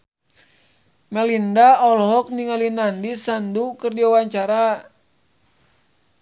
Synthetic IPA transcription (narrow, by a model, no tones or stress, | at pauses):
mɛlindaɔlɦɔk̚niŋalinandisandukərd͡ʒawaɲt͡ʃaɾa